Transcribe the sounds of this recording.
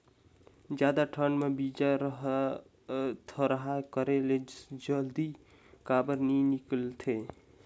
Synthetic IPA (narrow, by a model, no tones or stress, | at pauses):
d͡ʒjad̪aʈʰənmebid͡ʒaɾɦ | t̪ʰəɾəɦakəɾeled͡ʒəld̪i | kabəɾninikəlt̪ʰe